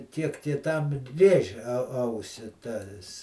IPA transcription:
ˈtʲiɛk tʲiɛ ˈtɐm ˈrʲeːʒʲɛ ˈɐʊsʲɪ ˈtɐs

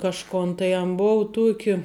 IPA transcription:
kɐʃˈkoːn tɐɪ ɐn ˈboːʊ ˈtuɔkʲɪ

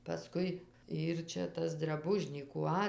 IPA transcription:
pɐˈskʊɪ ˈiːr ˈt͡ʃʲɛ ˈtɐs drɐˈbʊʒʲnʲiːkuː ˈɐ

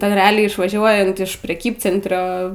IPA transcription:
ˈtʲɛn rʲɛˈɑːlʲɛɪ ɪʃʋɐˈʒʲuɔjɛnt ɪʃ pʲrʲɛˈkʲiːpʲt͡sʲɛnʲtʲrʲoː

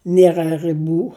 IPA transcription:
ˈnʲiɛrɐ rɨˈbuː

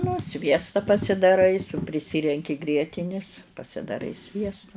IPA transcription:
nʊ ˈsʲʋʲiɛstɐ pɐsʲɪdɐˈrɐɪ sʊ pʲrʲɪˈsʲɪrʲɛŋʲkʲɪ ˈɡrʲiɛtʲɪnʲɪs pɐsʲɪdɐˈrɐɪ ˈsʲʋʲiɛstʊ

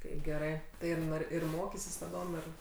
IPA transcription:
ˈtɐɪ ɡʲɛˈrɐɪ tɐɪ ɪr ˈnoːr ɪr ˈmoːkʲɪsʲɪs tɐˈdoːm ˈɪr

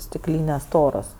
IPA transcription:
sʲtʲɪkˈlʲiːnʲeːs ˈstoːroːs

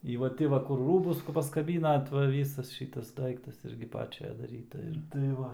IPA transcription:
ɪ ʋɐ ˈtʲɪ ʋɐ ˈkʊr ˈruːbʊs pɐskɐˈbʲiːnɐt ʋɐ ˈʋʲiːsɐs ˈʃʲiːtɐs ˈdɐɪktɐs ˈɪrʲɡʲɪ ˈpɑːt͡ʃʲɛ dɐˈrʲiːtɐ ɪr tɐɪ ˈʋɐ

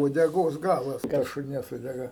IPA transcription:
uɔdʲɛˈɡoːs ˈɡɑːlˠɐs kɑː ʃʊˈnʲiɛs uɔdʲɛˈɡɐ

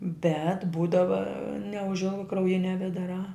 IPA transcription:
bʲɛt ˈbuːdɐʋɐ nʲɛʊʒʲˈɪlˠɡɐ krɐʊˈjɪnʲɛ ʋʲɛdɐˈrɑː

